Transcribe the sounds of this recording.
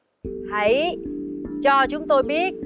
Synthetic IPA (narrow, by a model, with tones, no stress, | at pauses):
ha˨˦j | t͡ɕɔ˧t͡ɕʊ˨˦ŋ͡mt̪o˧jɓi˦˥ət̚